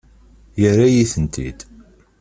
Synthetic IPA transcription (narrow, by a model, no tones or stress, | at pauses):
jərajiθənt̪ʰḭd̪̥